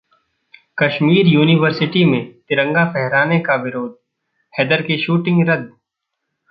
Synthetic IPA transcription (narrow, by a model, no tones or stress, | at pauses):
kɐʃmiːɾjuːnɪʋəɾsɪʈimẽt̪ɪɾə̃ŋɡapɛɦɾaːnekaʋɪɾoːd̪̚ | hɛd̪əɾkeʃuːʈɪ̃ŋɡɾɐd̪